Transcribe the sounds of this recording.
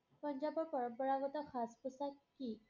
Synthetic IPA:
pəɲd͡ʑabəpəɾbəɭaʋət̪axʰaspusak̪̚ki

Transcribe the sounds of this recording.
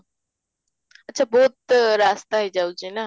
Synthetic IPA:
ɐtːʃʰaːbɔːt̪ɾaːst̪aːɦiːd͡ʒaːut͡ʃiːnaː

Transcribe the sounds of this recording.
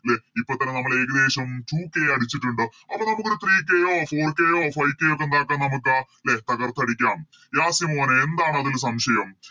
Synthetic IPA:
leipːot̪ːɐnːenɐmːɐɭeːɣɐd̪e̞ːɕɐmʈuːkːeːɐɽit͡ɕːiʈːuɳɖɨɐpːɐnɐmukːoɾut̪ʰriːkːejoːfo̞ːrkːejoːfɐjkːejokːe̞nd̪aːk̬ːaːnɐmuk̬ːɨaː | let̪ʰɐɣɐrt̪ːɐɽikʲːaːm | jaːsimoːneend̪aːɳɨɐðils̬ɐmɕɐjɐm

